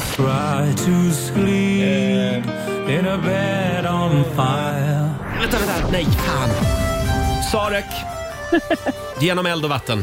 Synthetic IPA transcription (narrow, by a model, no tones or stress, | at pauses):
tʰɹ̥aɪɾʰəskli | p | ɪ̃nəbɛɾn̩faɪlˠvɛnt̪ːad̪ɛd̪ænɛjkʰan | sɑːɾɛk | jjeːnɔmɛld̪ɔvat̪ːən